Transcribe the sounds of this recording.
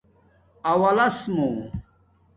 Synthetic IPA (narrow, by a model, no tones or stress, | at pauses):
ɐwɐlɐsmu